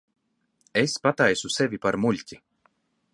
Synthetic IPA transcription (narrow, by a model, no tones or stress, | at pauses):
espat̪ajsusevʲipaɾmulʲt̪ʲi